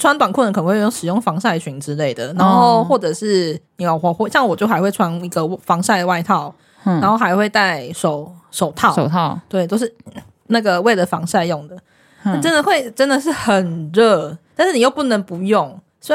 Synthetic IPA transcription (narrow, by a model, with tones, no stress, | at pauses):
ʈ͡ʂʰwa˦nt̪wa˨˩nkʰu˥˩nə˧˦kʰə˨n˨˧wjŋʂ̩˨˩jʊ˥˩ŋfɑ˧˥ŋsa˥˩ɪt͡ɕʰy˧˥nʈ͡ʂɻ̩˦˥le˥˩ɪd̪ə˩na˧˦nxo˥˧ʊxwɔ˥˩ʈ͡ʂɤ˨˩ʂɻ̩˥˩ni˨˩o˨˩xwɔ˧˦xwɕjɑ˥˧ŋwɔ˨˩t͡ɕjo˥˩ʊxa˧˥ɪwe˥˩ɪʈ͡ʂʰwa˧˥ni˧˥ɡə˨fɑ˧˥ŋsa˥˩ɪd̪wa˥˧ɪt̪ʰɑ˥˩ʊ | na˧˥nxo˥˩ʊxa˧˥ɪxwe˥˧ɪt̪a˥˧ɪʂo˨˩ʊʂo˨˩ʊt̪ʰɑ˥˨ʊ˨ɑ˥˧t̪we˥˩ɪt͡ɕjo˥˧ʊʂ̬ɻ̩˥˩ | na˥˩ɡə˩we˥˩ɪdə˨˩fɑ˧˥ŋsa˥˧ɪjʊ˥˩ŋd̪ə˩ | na˥˩ʈ͡ʂə˦˥nd̪ə˨xwe˥˩ɪʈ͡ʂə˦˥nd̪ə˨ʂ̬ɻ̩˥˩xə˨˩nɻə˥˧˩t̪a˥˧nʂ̩˥˩ni˨˩jo˥˧ʊpu˥˩nə˧˥ŋpu˧˦jʊ˥˩ŋ | swɔ˥